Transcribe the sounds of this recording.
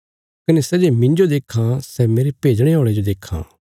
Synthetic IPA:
kɐnesɛd͡ʒemɪ̃ɲd͡ʒod̪eːkʰãsɛmeːɾepeːd͡ʒɽ̃eɦoːɭed͡ʒod̪eːkʰːã̰ː

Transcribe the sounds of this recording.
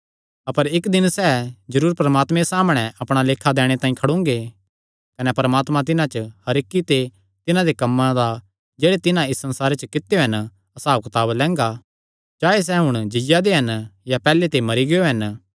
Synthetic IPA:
ɐpəɾɪkd̪ɪnsɛd͡ʒɐɾuːɾpɐɾɐmaːt̪mesaːməɽ̃ɛ̃ʔɐpɽ̃aleːkʰad̪ɛːɽ̃et̪ãːĩkʰɐɽʊ̃ŋɡe | kɐnɛpɐɾəmaːt̪mãt̪̬ɪnãt͡ʃəhɐɾɪkːit̪e | t̪ɪnãd̪ekɐmːãd̪a | d͡ʒeːɽet̪ɪnãɪsːɐ̃nsaːɾet͡ʃəkɪt̪ːejoɦɐn | ɐsaːʋkt̪aːblɛ̃ːŋɡa | d͡ʒaːes̬ɛɦʊɽ̃d͡ʒɪjad̪eɦɐnjapɛːlet̪emɐɾiɡɪjoɦɐn

